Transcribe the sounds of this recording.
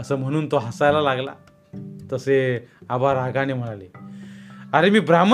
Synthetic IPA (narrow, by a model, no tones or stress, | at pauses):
əsəːm̤əɽ̃uːnt̪oɦasajlalaɡla̰ | t̪əseabaɾaɡañim̤əɽale | aɾemiːbɾam